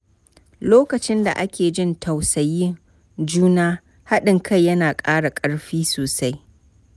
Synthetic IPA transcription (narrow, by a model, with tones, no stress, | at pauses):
loː˦kɐ˨t͡ʃɪ˦nda̰˨ʔa˦kʲeː˨d͡ʒɪ˦ntʰa˨wsɐ˨jːɪ˦ŋ | d͡ʒuː˦naː˦ | ha˦ɗɪ˨ŋkʰa˦˨jːɐ˦naː˨kʼaː˦ɽa˨kʼɐ˦ɽɸiː˦soː˨sa˦j